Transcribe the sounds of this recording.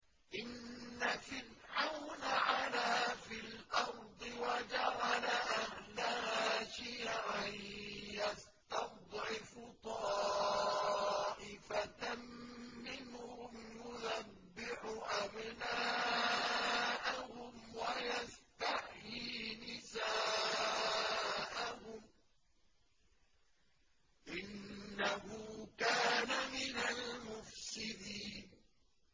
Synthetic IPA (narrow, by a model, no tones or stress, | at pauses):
ʔɪnːafɪlʕawnʕalaːfɪlʔɑɾˤd̪ˤɨwad͡ʒaɾalaʔahlahaːʃiːʕanjas | t̪ɑd̪ˤʕɪfʊt̪ˤɑː | ʔɪfat̪ammɪnhʊmjʊðabːɪħʊʔabna | ʔahʊmwajast̪ahjiːnɪsaː | ʔahʊm | ʔɪnːahʊkaːnamɪnalmʊfsɪd̪iːn